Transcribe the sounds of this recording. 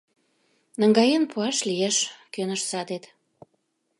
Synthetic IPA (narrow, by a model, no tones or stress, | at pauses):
nə̆ŋɡɑjenpʰuɑʃlijeʃkønəʃsɑd̪et̪